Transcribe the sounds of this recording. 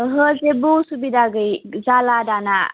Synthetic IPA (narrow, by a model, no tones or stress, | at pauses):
ɦəzebusubid̪aɡɯjzaladana̰